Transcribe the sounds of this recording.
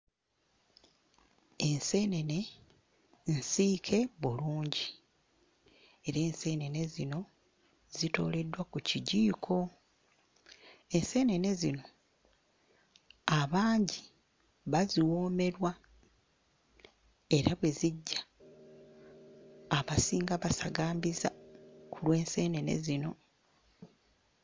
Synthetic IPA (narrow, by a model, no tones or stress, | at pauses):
e̞nse̞ne̞ne̞ | n̩siːkʰe̞βuluːɲɟi | e̞ɾeːnse̞ne̞ne̞zino̞ | zito̞̰ːle̞dwakuciɟiːkʰo̞ | e̞nse̞ne̞ne̞zino̞ | aβaːɲɟi | βaziwo̞ːme̞ɾwa | e̞ɾaβwe̞ziɟːa | βasiːŋɡaβasaɡaːmbizakulwe̞ːnse̞ːne̞ne̞̰zino̞